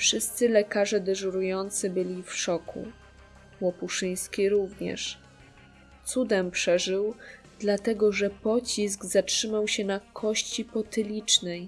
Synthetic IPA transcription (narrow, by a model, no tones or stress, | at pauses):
fʂɘst̪sɘlɛkaʐɛd̪ɛʐuɾujɔnt̪sɘbɘlʲifʂɔkʰṵ | wɔpuʂɘj̃skʲiɾuvɲɛ̰ʂ | t̪sud̪ɛmpʂɛʐɘw | d̪̥lat̪ɛɡɔʐɛpɔt͡ɕis̬ɡzatʂɘmawɕɛnakʰɔɕt͡ɕipɔt̪ɘlʲit͡ʂnɛj